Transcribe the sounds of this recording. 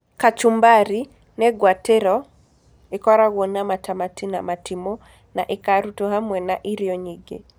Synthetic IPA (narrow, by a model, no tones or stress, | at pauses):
kat͡ʃumbaɾi | nɛɡwateɾɔ | ekɔɾaɣwonamatamatina̰matimo | na̰ʔekaɾutoɦamwɛnaʔiɾjɔɲiɡḛ